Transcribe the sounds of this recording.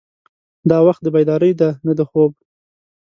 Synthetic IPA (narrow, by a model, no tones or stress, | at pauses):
d̪ɑwaxt̪̚d̪əbajd̪ɑɾəjd̪anad̪əxob̚